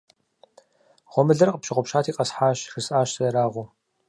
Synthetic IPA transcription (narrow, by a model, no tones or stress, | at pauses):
ʁʷɔmɨɮɐrqʼəpʃɪʁʷɔpʃaːtʰiːqʼɐsħaːʃxɨsʼaːʃsɐɾaːʁʷu